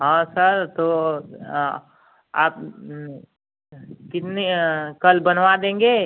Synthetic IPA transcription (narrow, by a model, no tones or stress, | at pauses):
ɦãːsəɾt̪o | aːp̚ | kɪt̪nekɐlbɐnʋad̪ẽːŋɡeː